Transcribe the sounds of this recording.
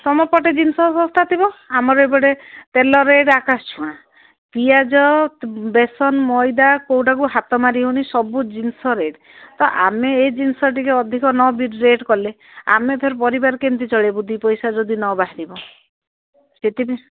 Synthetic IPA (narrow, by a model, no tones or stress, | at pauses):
sɔmɔpɔʈed͡ʒinsɔsɔ̃st̪ʰat̪ʰibɔamɔɾɔebɔɽet̪elɔɾeɖakast͡ʃʰũã | piad͡ʒɔbesɔnmɔjd̪akowʈak̬uɦat̪ɔmaɾiɦunisɔbud͡ʒinsɔɾeɖ | t̪ɔʔa̰meːjd͡ʒinsɔʈikeɔd̪ʱikɔnɔbiɖɾeʈkɔle | a̰mep̪ʰeɾpɔɾibaɾkent̪it͡ʃɔɭebud̪ʱipɔjsad͡ʒɔd̪inɔbaɦaɾibɔ | set̪ibe